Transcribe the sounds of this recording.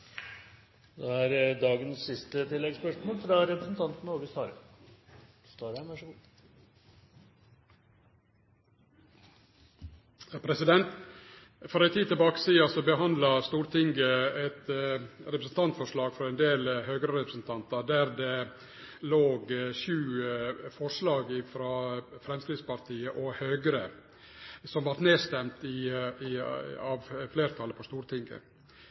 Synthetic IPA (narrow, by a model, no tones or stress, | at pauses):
d̪ɛæɾd̪ɑːɡənsːɪst̪ət̪ʰɪlːɛɡspœʂmoːlfɾɑɾɛpɾəsn̩t̪ʰɑnt̪nəoːɡəst̪ɑːɾə | st̪oːɾæʋæʂəɡuː | pʰɾɛsɪd̪ɛnt̪ | fɔɾæɪt̪ʰiːt̪əbɑːkə̥siːɑsɔbəɦɑnd̪lɑst̪uːɾt̪ʰɪŋɡəɛt̪ɾɛpɾəsn̩t̪ʰɑnt̪fɔʂɭɑːɡfɾɔɛnd̪eːlhøːɡɾəɾɛpɾəsn̩t̪ʰɑnt̪ɑd̪æɾd̪ɛ | loːɡʃʉːfɔʂlɑːɡɪfɾɑːfɾɛmskɾɪːd̪spɑɾt̪ʰiːəʔɔhøːɡəɾə | sɔmʋɑɾʈ̪neːst̪ɛmt̪ɪ | ɑʋfleːɾt̪ʰɑləpʰɔst̪uːɾt̪ʰɪŋɡə̰